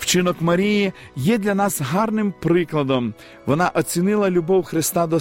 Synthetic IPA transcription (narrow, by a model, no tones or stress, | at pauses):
wt͡ʃɪnɔkmɐɾʲiji | jɛd̪lʲɐnɑsɦɑrnɪmpɾɪklˠɐd̪ɔm | ʋɔnɑʔɔt͡sʲinɪlˠɐlʲʊbɔwxɾɪst̪ɑd̪ɔ